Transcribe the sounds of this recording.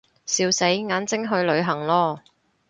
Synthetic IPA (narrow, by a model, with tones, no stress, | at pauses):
siː˧wse˨˥jŋaː˨˥nt͡sɪ˥ŋɦɵ˧ɥlɵ˨˧ɥɦɐ˨˩ŋlɔː˧